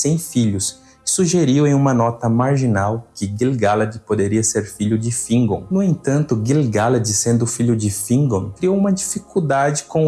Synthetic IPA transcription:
sẽj̃fiʎʊs | suʒeɾiwẽj̃ũmɐnɔt̪ɐmaɾʒinawkɪɡilɡalɐd͡ʒɪpod̪eɾiɐseɾfiʎʊd͡ʒɪfĩŋɡõnʊẽnt̪ɐ̃nt̪ʊɡilɡalɐd͡ʒɪsẽnd̪ʊfiʎʊd͡ʒɪfĩŋɡõkɾiowũmɐd͡ʒifikuwd̪ad͡ʒɪkõ

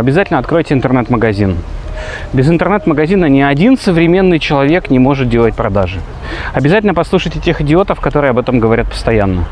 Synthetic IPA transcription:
ɐbʲɪzatʲɪlʲnɐt̪̚kɾo̞jtʲɪɪnt̪ərnɛt̪məɡɐzʲin | bʲɪzɨnt̪ərnɛt̪məɡɐzʲinənʲɪɐdʲinsəvɾʲɪmʲe̞nːɨjt͡ɕɪlˠɐvʲe̞knʲɪmo̞ʐɨt̪̚dʲe̞lˠət̚ʲpɾɐd̪aʐɨ | ɐbʲɪzatʲɪlʲnəpɐslˠuʂəjtʲɪtʲe̞xɪdʲɪo̞t̪əfkɐt̪o̞ɾɨəɐbɛt̪əmɡəvɐɾʲat̪̚pə̥st̪ɐjanːə

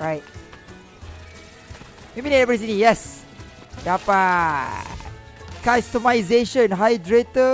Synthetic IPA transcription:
ɹajt̚ | mebinɛɛpəɾis̬inĩjɛs | dapa | kastəmajzeʃə̃nɦajdɹetə

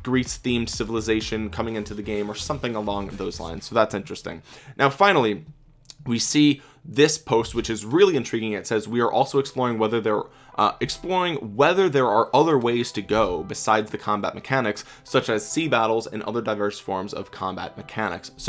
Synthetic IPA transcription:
ɡ̥ɹisθĩmd̥sɪvl̩ˠəzeɪʃɨ̃nkʰʌ̃mɪ̃ŋɪ̃ntʉðɨɡẽɪ̃mə˞sʌ̃mθɪ̃ŋəlɔ̃ŋðoʊzlã̰ɪ̃nz̥soʊðætsɪ̃nt͡ʃɹ̥ɨstɪ̰̃ŋnʔaʊfãɪ̃nl̩ˠi | wisi | ðɪspʰoʊst̚wɨt͡ʃɨzɹɪlˠiɨ̃ntʰɹ̥iɡɪ̃ŋɨtsɛzwiə˞ʔɔlˠsoʊɨksplɔɹɪ̃ŋwɛðə˞ðə˞ | ʔʔɨksplɔɹɪ̃ŋwɛðə˞ðə˞ə˞ʔʌðə˞weɪz̥tʰɨɡoʊbɨsaɪdzðɨkʰɑ̃mbæ̰t̚mɨkʰænɨksː | ʌt͡ʃɨz̥sibæɾl̩ˠzɨ̰̃nʌ̰ðə˞daɪvɜ˞sfɔɹmzʌ̰v̥kʰɑ̃mbæ̰t̚mɨkʰænɨ̰ksːo

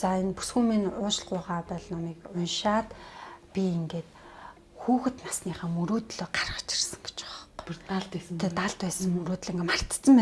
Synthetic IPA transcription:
t͡saːenpu̥sxuːminʊːt͡ɕɮɢʊːʁaːpæɮnɔmiːkʊnʃaːt̪pʲieŋɡeːt̪ | xuːxɘ̆t̪nasniːχaːmuɾoːt̪ɮoːɢarəχʊ̥t͡ɕɪ̥̆rsə̥̆ŋɡe̥t͡ɕɔχaɮt̪ːʰet̪aɮt̪pæːsə̆ŋmuɾoːt̪ɮiŋɡemar̥t̪t͡sə̆mpæ

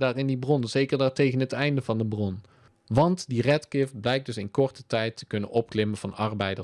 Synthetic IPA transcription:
daːrɪndibrɔnəzejkəɹdaːɹtejχənɦətɛjndəvɑndəbrɔn | ʋɑntdirɛtkɪfblɛjk̚dɵsɪnkɔɹtətɛjtə̥kɵnənʔɔp̚klɪmənvɑnɑɹbɛjdə

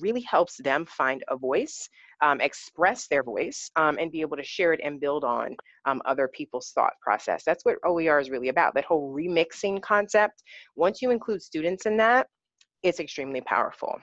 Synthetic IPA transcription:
ɹɪlˠihɛlˠpsðɨ̃ɱfãɪ̃ndə̰vɔɪs | ʔmɨkspɹɛsðə˞vɔɪsʔɨ̰̃nbieɪbl̩ˠtʰɨʃɛɹɨɾɨ̰̃nbɪlˠdn̩ | ʌ̰ðə˞pʰipl̩ˠz̥θɔ̰t̚pʰɹ̥ɑ̰sɛ̰sðætswʌɾoʊlˠiɑɹɨzɹɪlˠiɨbaʊt̪̚ðɨt̚hoʊlˠɹimɪksɪ̃ŋkʰɑ̃nsɛp̚t̚wʌ̃nsjɨɨ̃nkʰl̥ʉd̥stʉdⁿn̩tsɨ̃nðæt̚ | ɨtsɨkstɹ̥ĩmlipʰa̰ʊə̰˞fl̩ˠ

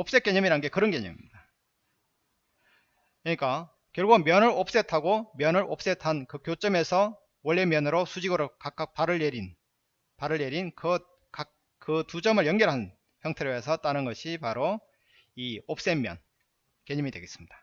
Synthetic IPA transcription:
op̚s͈e̞k͈eɲʌmiɾanɯnɡe̞kɯɾʌnke̞ɲʌmḭmɲid̥a | kɯɲik͈a | kjʌɭɡumjʌnɯɾop̚s͈e̞tʰaɡomjʌnɯɾʔop̚s͈e̞tʰankɯkjot͡ɕ͈ʌme̞sʰʌ | wʌɭːe̞mjʌnɯɾosʰud͡ʑiɡɯɾokak͈ak̚paɾɯɭeɾin | paɾɯɭjeɾinkʌ | kak̚ | kɯtud͡ʑʌmɯɭjʌŋɡjʌɾɦan | çjʌŋtʰe̞ɾjoesʰʌt͈anɯnɡʌɕʰipaɾo | iop̚s͈e̞mjʌ̰n | ke̞ɲʌmidwe̞ɡes͈ɯ̥mɲid̥ḁ

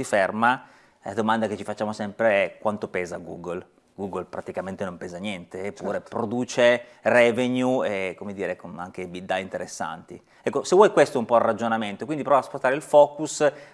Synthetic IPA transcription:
siferma | la̰d̪omand̪aket͡ʃifat͡ʃːaːmosɛmpɾeɛkwant̪opɛːzaɡṵːɡol | ɡuɡlpɾat̪ikament̪enompɛːzanjɛnt̪eːpːuɾepɾod̪uːt͡ʃerɛvenjuekomed̪iːɾekonaŋk̟ebid̪ajint̪eɾesːa̰nt̪ḭ | ɛkːosevwɔjkwest̪oumpɔrːad͡ʒonament̪okwind̪ipɾɔvaspost̪aːɾeilfɔːkus

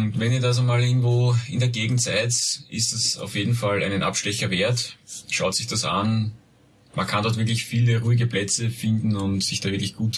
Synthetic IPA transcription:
ʊntvɛniːɐdas̬omaːlɪɐɡŋ̩tvoːɪndeɐɡeːɡŋ̩tsæɪtʔɪ̰stasa̰ʊfjeːdn̩falæɪnənʔa̰pʃtɛçɐveːɐtʃaʊtsɪçd̥asan | mankʰandɔɐtviɐk̬lɪçfiːləʁuːɪɡəplɛt͡səfɪndn̩ʊntsɪçd̥aːvɪɐklɪçɡ̥uːt

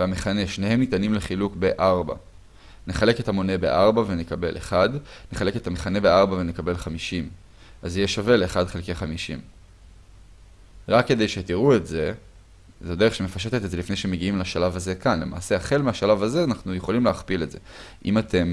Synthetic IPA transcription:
veameχane̞ʃnehe̞mnit̪animleχilukbe̞ʔaʁba̰ | ne̞χale̞ket̪hamo̞ne̞be̞̰ʔaʁbavenekabe̞̰lʔḛχad̪neχale̞ket̪ameχane̞beaʁbave̞nekabe̞lχamiʃim | ʔazijeʃave̞leːχadχelkeaχamiʃḭm | ʁakːe̞d̪ejʃet̪iʁue̞tze̞ | zade̞eχʃeme̞faʃ̬et̪et̪etzelifne̞jʃemeɡiimlaʃalavaze̞kanle̞̰ma̰ːseaχe̞lmeaʃalavaze̞anaχnuje̞χo̞limleaχpile̞tze̞̰ʔḭmat̪ʰe̞m

